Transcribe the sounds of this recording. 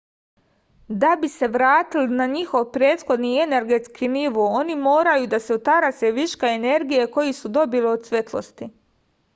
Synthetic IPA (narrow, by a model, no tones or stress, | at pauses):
d̪abise̞ʋɾaːt̪ilnaɲixo̞ʋpɾeːt̪xo̞d̪nie̞ne̞ɾɡe̞t̪skʰiniʋoːo̞nimo̞ːɾajud̪ase̞ot̪aɾaseʋiʃkaene̞ɾɡijeko̞jisud̪o̞biliod̪sʋe̞t̪lˠo̞̰st̪i